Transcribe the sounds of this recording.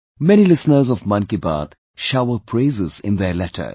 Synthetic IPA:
mɛñilɪsnəɾzɔvmʌ̃nkiba̰ːt̪ | ʃaʊəpʰɾeːzɪzɪ̰̃nd̪elɛʈʰə̰

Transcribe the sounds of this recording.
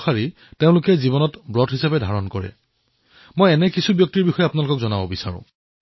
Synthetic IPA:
aɹi | teʊ̃lʊkɛzibɔnɔtbɹɔtɦisabɛdʱaɹɔnkɔɹɛ̰ | mojɛnɛkisubjɔk̚tiɹbixɔjɛapʊnalʊkɔkzɔnabɔbisa̰ɹʊ̰̃

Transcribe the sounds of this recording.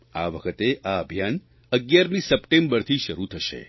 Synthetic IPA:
a̰ʋəkʰət̪eaəbʱjan | əɡjaɾmĩsəpʈẽmbəɾt̪ʰiʃəɾut̪ʰəʃḛ

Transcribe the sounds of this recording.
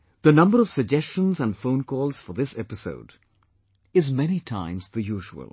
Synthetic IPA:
ð̥ənʌ̃mbəɾɔv̥sɨɡ̚d͡ʒɛst͡ʃə̃nzə̃nfõʊ̃nkʰɔːlˠz̥fəðɪsɛpɪso̰ʊd | ɪzmɛnitʰã̰ɪ̃mzðɨjuːʒəə̰lˠ

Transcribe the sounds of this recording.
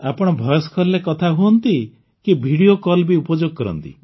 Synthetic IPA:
apɔɽ̃ɔbʱɔjɔskʰɔlːekɔt̪ʰaɦuɔnt̪i | kibʱiɽiokɔlbiupɔd͡ʒoɡ̚kɔɾɔ̰nt̪ḭ

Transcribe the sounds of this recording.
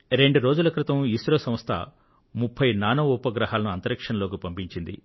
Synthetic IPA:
ɾe̞ɳɖuɾo̞ːd͡ʒulɐkɾit̪ɐmisɾoːsɐm̃st̪ʰɐ̰ | mupʰːɐjnaːnɐːupɐɡɾɐɦaːlɐnuɐnt̪ɐɾɐkʂɐnɐlo̞ːkipɐmpiɲt͡ʃind̪ḭ

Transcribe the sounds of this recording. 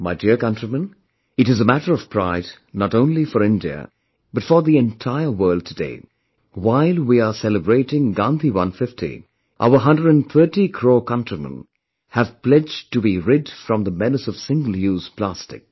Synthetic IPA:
maɪdiɹkʌ̃ntɹ̥imə̃n | ɨɾɨzəmæɾə˞ʌv̥pʰɹ̥aɪd | nəɾõʊ̃nlifɔɹɪ̃ndiɨ̰ | b̥ʌtfə˞ðiɛ̃ntʰaɪə˞wɜːlˠd̚tʰɨdḛɪ | waɪlˠwiəsɛləbɹeɪɾɪ̃ŋɡɑ̃nt̪iwʌ̃nfɪftḭ | ʔa̰ʊə˞ɦʌ̃ndɹəɾɨ̃nθʰɜ˞tikʰɹ̥oːkʌ̃ntɹ̥imə̰̃n | hɨv̥plɛd͡ʒtɨbiɹɪdfɹʌ̃mðəmɛnəsʌv̥sɪ̃ŋɡəl̩ˠjuz̥pʰl̥æstɪ̰k̚

